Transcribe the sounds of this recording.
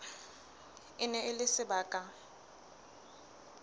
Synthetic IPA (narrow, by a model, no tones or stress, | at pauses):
ɪnɛɪlɪsɪbaːkʼa